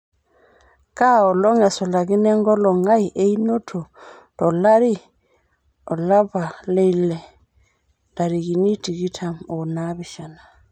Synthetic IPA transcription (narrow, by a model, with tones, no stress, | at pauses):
ka˦ɔ˨lɔ˦ŋɛ˨sɔ˨la˨ki˦nɛ˦ŋɡɔ˦lɔ˨ŋa˦i˨ʔe˦i˦no˦tʰu˨ | d̥ɔ˨la˦ɾi˦ | ɔ˨la˦ba˨le˦˨lɛ˨ | da˨ɾi˨ki˨ni˦ti˨ki˦tʰa˨mɔ˨na˦βi˨ʃa˨na˨